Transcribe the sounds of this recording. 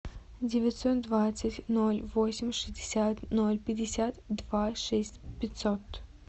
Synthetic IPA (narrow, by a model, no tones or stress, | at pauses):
dʲɪvʲɪtʲsot̪̚d̪vat̪sɨtʲnolʲvosʲɪmʲʂɨzʲdʲɪsʲat̪nolʲpʲɪdʲɪsʲat̪d̪vaʂɛsʲtʲpʲɪtʲsot̪